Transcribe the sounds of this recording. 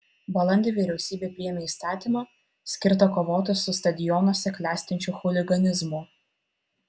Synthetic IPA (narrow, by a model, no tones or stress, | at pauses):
bɐlˠɐnʲd̪ʲeʋʲiɾʲɛʊsʲiːbʲeːpʲɾʲɪjɛːmʲeiːst̪ɑːt̪ʲiːˑmɑː | sʲkʲɪɾt̪ɐkoːʋoːt̪ʲɪsʊst̪ɐd̪ʲɪjɔnoːsʲɛklʲæːsʲt̪ʲɪnʲt͡ʃʲʊxʊlʲɪɡɐnʲɪzmʊ